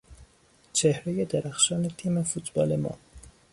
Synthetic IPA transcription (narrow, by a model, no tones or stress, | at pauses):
t͡ʃʰehɾejed̪æɾæxʃɒːnet̪ʰiːmefut̪b̥ɒːlemɒ̰ː